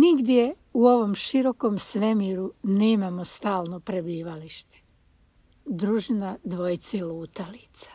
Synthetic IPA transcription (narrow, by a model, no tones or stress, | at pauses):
niɡd̪je | uo̞ʋo̞mʃiɾo̞ko̞msʋe̞miɾuneːmamost̪aːlno̞pɾebiːʋaliʃt̪e̥ | d̪ɾuːʒinad̪ʋojt̪sailuːt̪alit̪sḁ